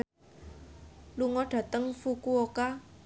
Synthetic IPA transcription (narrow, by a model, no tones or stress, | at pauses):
luŋɔɖ̥ä̤t̪əŋfukuoka